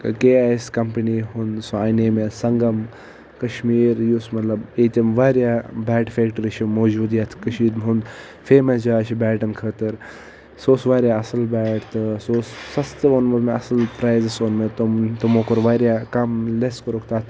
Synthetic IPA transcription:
kɐkeːaːjskɐmpɐniːɦund̪soaːneːmesɐŋɡɐm | kɐʃmiːɾjusmɐt̪lɐbeːt̪ʲemʋaːɾjaːbɛːʈfeːkʈɐɾiʃimoːd͡ʒuːd̪jaːt̪ʰkɐʃiːɾmɦund̪ | feːmɐsd͡ʒaːt͡ʃʰibɛːʈɐnkʰəːt̪ɨɾ | soːsʋaːɾjaːɐsɐlbɛːʈt̪ɨsoːsːɐst̪ɨonmɐɾmeɐsɐlpɾaːjzɐsoːnmet̪omt̪umoːkoɾʋaːɾjaːkɐmleskɐɾokt̪aːt̪ʰ

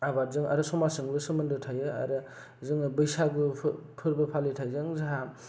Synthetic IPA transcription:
abazɯŋa̰ɾɯsɔmasɯŋbɯsɯmɯndɯtʰajɯa̰ɾɯ | zɯŋbɯjsaɡupʰɯɾbɐpʰalitʰajzɯŋzaɦa

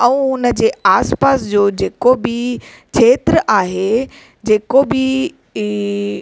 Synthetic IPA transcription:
ɛ̃ũʊnəd͡ʑeːaːspaːsd͡ʑoːd͡ʑeːkobɪ | kʰeːt̪ɾəʔaːɦe | d͡ʑeːkobɪ

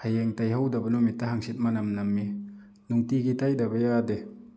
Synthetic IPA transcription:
hajeŋtajɦawdɐbɐnumitːaɦaŋsit̪̚manamnamːi | nuŋtiɡitajdabajade

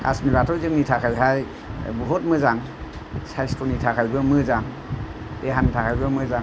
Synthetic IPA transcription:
a̰smiɾatʰɔwzɯŋnitʰakʰajɦaj | buɦot̚mɯzaŋ | sajstʰonitʰakʰajbɯmɯzaŋ | deɦantʰakʰajbɯmɯzaŋ

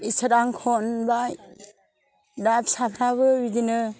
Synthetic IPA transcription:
isəɾaŋkʰɔnbaj | dap̚sapʰɾaβɯbidinɯ

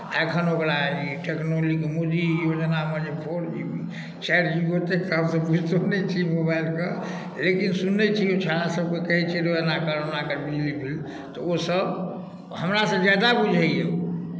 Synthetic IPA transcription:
aekʰənokɾaiʈeknolikmod̪ijod͡ʒənaməd͡ʒepʰoɽubi | t͡ʃɛɾd͡ʒibot̪ekɦəmsəbud͡ʒʱt̪onɛt͡ʃʰimobailkə | lekinsunːet͡ʃʰiot͡ʃʰaɽasəb̚kekəɦɛt͡ʃʰiɾoənakəɾonakəɾbilibʱil | t̪ɔosəb | ɦəmɾasə̃d͡ʒad̪abud͡ʒʱəeo

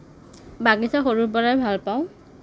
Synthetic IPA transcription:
baɡisaxoɹubɔɹajbʱalpaʊ̃

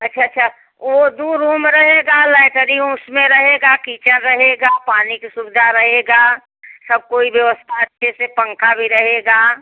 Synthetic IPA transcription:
ɐtːʃʰatːʃʰa | ʋod̪uɾːuːmɾəɦeɡalɛɪʈəɾiʊsmẽɾəɦeɡakiːt͡ʃənɾəɦeɡapaːnikisubɪd̪ʱaɾəɦeɡa | səb̚koːibjəʋəst̪ʰaətʃʰesepə̃ŋkʰabʱiɾəɦeɡa

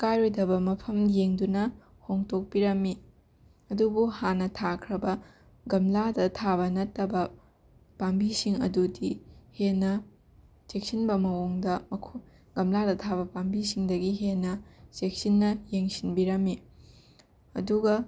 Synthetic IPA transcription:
kajɾojdɐbɐmɐpʰɐmjeŋdunɐ | hoŋtok̚piɾɐmi | ɐdubuhanːɐtʰakʰɾɐbɐ | ɡɐmladɐtʰaβɐnɐtːɐbɐ | pambisiŋɐ̰dudihenːɐ | sek̚sinbɐmɐwoŋdɐmɐkʰo | ɡɐmladɐtʰaβɐpambisiŋdɐɡiɦenːɐsek̚sinːɐjeŋsinbiɾɐme | ɐ̰duɡɐ

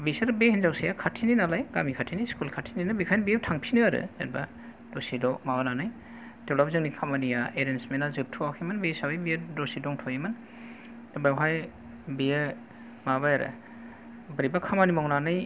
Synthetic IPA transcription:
bisaɾbehinzawsejakʰatʰininalajɡamikʰatʰiniskulkʰatʰininabikʰajnbijtʰaŋpʰinɯaɾɯ̰ḛɾba̰ | d̥osidɔmabananɯj | d̥ewlab̚zɯŋnikʰamanijaeɾensmenazɯp̚tʰuakʰemɯnbesawejbiedɔsidɔŋtʰɔjemɯn | bajwɦaj | bijɯ | mabajaɾɯ̰ | bɯɾibakʰamanimɔŋnanɯj

